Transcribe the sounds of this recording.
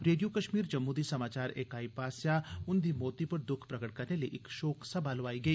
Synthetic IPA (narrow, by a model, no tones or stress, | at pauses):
ɾeːɖijokɐʃmiːɾd͡ʒɐmːud̪isɐmaːt͡ʃaːɾeːkaːipaːsjaʊnd̪imoːt̪ipɐɾd̪ʊkʰpɾɐkəʈ̚kɐɾneliiʔɪkʃɔːksɐbʱaːlʋaːiɡɐiː